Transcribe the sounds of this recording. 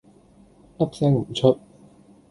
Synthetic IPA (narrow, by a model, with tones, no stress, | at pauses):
ʔɐ˦˥p̚sɛː˥ŋm̩˨˩˦t͡ɕʰɵ˦˥t̚